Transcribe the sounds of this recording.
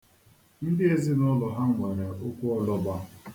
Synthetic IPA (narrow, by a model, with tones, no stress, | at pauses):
n̩˦dɪ˦e˦zɪ˦nɔ˦lɔ˨ɦa˦ŋʷe˨ɾa˨ʔo˦kʷu˦ɔ˦lɔ˦ba˦